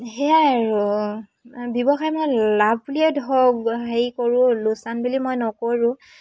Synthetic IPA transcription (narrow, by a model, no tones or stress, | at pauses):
ɦɛaɹu | bjɔbɔxajmojlab̚ʱbuliɛdʱɔɡɦejkoɹʊ̃losanbulimojnɔkoɹʊ̃